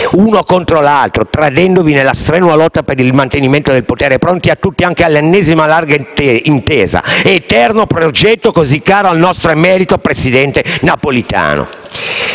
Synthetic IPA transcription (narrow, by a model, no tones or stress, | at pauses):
unokont̪ɾolalt̪ɾot̪ɾad̪ɛnd̪ovinelːast̪ɾɛːnwalɔt̪ːapeɾilmant̪eniment̪od̪elpot̪eːɾepɾont̪iat̪ːut̪ːiaŋkealːenːɛzimalarɡaint̪eːza̰t̪ɛrnopɾod͡ʒɛt̪ːokozikːaːɾoalnɔst̪ɾoemːɛːɾit̪opɾesid̪ɛnt̪enapolit̪a̰ːno̰